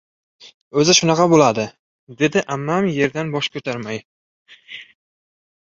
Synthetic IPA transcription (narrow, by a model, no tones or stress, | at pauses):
ɵzɪʃʊnɑqʰɑbolad̪ɪ | d̪e̞d̪ɪʔamːamje̞ɾd̪anbɒʃkʰɵt̪ʰaɾmaj